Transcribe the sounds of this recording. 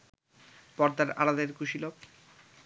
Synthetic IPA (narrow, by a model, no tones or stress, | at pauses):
pɔɾd̪aɾa̰ɾad̪eɾkuʃilob